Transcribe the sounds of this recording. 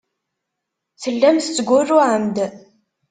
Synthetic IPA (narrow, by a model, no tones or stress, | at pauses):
θəlːæmθət͡sːəɡʷʊrːʊʕəmd̪